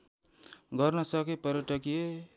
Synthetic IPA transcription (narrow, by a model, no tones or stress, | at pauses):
ɡʌrnʌsʌkepʌɾeʈʌkije